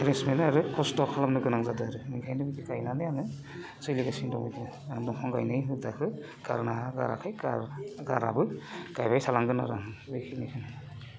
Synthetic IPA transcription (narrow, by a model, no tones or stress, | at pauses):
ɾesmenɯaɾɯkʰɔstɔkʰalamnɯɡɯnaŋzadɯaɾɯikʰajnɯbitikajnanɯjanɯ | sɯjliɡasiŋdɔ̰ŋitɯ | dɔŋkʰɔŋɡa̰jnɯjɦɯdakʰɯ | ɡ̥a̰ɾnaaɡa̰ɾa̰kʰɯjɡaɡa̰ɾa̰bɯɡ̥ajbajsalaŋɡɯna̰ɾaɦɯbɯjkʰinɯkʰɯnɯ